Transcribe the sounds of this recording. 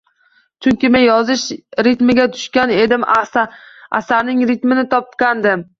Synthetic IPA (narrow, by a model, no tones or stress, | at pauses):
t͡ʃʰʊŋʲkʲɪmenjɒzɪʃɾɪt̪mɪɡʲat̪ʰʊ̥ʃkʲane̞d̪ɪm | a̰saɾnɪŋɾɪt̪mɪnɪt̪ʰɒp̚kʲand̪ɪm